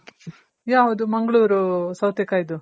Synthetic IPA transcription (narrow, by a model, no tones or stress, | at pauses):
jaːɦoːd̪umɐŋɡɐɭuːɾusɐwt̪ekaːid̪u